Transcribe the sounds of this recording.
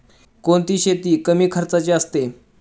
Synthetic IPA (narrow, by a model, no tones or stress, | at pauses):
kont̪iːɕet̪iːkəmiːkʰəɾt͡sat͡ɕeəst̪e